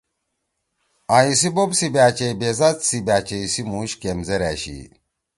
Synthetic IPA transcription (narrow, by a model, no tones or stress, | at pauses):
ajisibobsibaːt͡ɕejbezat͡ssibaːt͡ɕejsimuɕkemzeɾæ̰ːɕḭ